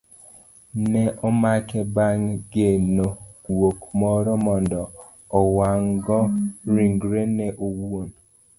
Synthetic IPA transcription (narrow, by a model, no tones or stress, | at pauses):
nɛʔɔmakɛbaŋɡenowokmɔɾɔmɔndɔː | waŋɡɔɾiŋɡɾenɛʔowuon